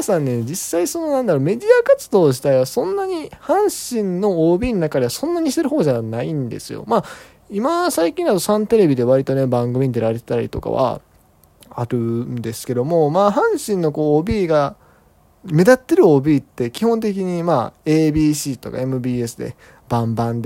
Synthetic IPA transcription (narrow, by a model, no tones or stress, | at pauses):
sãnːe̞d͡ʑisːaiso̞no̞nãnd̪aɾo̞ːme̞d̪ʲiakat͡sɨd̪o̞ːʑi̥t̪aiβasõ̞nːaɲ̟ihãɰ̃ɕĩnno̞oːbʲiːnonakad̪easõ̞nːaɲ̟iɕi̥t̪e̞ɾɯ̟ɦo̞ːd͡ʑanaĩnd̪e̞̰sɨjo̞̰maː | imasaikʲĩnd̪at̪o̞sãnt̪e̞ɾe̞bʲid̪e̞β̞aɾʲit̪o̞ne̞bãŋɡɯmiɲ̟id̪eɾaɾe̞t̪e̥t̪aɾʲḭt̪o̞̰ka̰βa̰ | aɾɯ̟nd̪e̞sɨ̥ke̞d̪o̞mo̞maːɦãɰ̃ɕĩnːo̞ko̞ːoːbʲiːɡa | me̞d̪at̪ːe̞ɾɯ̟o̞ːbʲiːt̪ːe̞kʲihõ̞nt̪̬e̞k̬ʲiɲ̟imaːe̞ːbʲiːɕiːt̪o̞ka̰e̞mɯ̟bʲiːe̞sɨd̪e̞̰ | b̥ãmbãnd̪